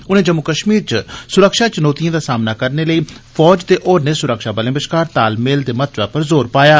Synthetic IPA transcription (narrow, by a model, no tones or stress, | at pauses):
ʊnẽːd͡ʒəmːʊkəʃmiːɾt͡ʃəsʊɾəkʃaːt͡ʃʊnɔːt̪ijãːd̪aːsaːmnaːkəɾneːləiː | fʰɔːd͡ʒt̪eːʔoːɾneːsʊɾəkʃaːbəlẽːbəʃkaːɾt̪aːlmeːld̪eːmət̪̚ʰʋaːpəɾzoːɾpaːjaː